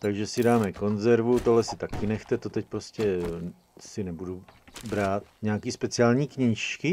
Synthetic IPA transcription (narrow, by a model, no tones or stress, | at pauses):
t̪aɡʒɛsɪdaːmɛko̞nzɛɾvut̪oɦlɛsɪt̪akɪnɛxt̪ɛt̪o̞t̪ɛc̚pɾo̞scɛ | sɪnɛbudubɾaːt̪ɲɛakiːspɛt͡sɪaːlɲiːkɲiːʃkɪ